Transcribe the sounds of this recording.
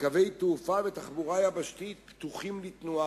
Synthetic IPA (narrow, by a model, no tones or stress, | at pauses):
kavejt̪eufavet̪aχbuʁajabaʃt̪it̪̚pt̪uχimlit̪nua